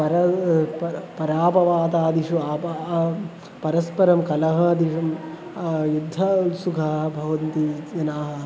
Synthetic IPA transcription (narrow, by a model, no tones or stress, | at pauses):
pɐɾɐpɐpɐɾaːpɐʋaːt̪aːd̪iʃuaːp | pɐɾɐspɐɾɐmkɐlɐɦɐd̪iɐm | jud̪ʱːɐsukʰɐbʱɐʋɐnt̪ijɐnaːɦɐ̆